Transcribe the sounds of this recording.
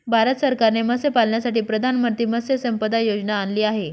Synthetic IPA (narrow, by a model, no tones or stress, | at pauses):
bʱaɾət̪səɾkaɾneməsepalɳjasaʈiːpɾəd̪ʱanmət̪iːməsesəmpəd̪ajod͡ʑnaːnliːaɦe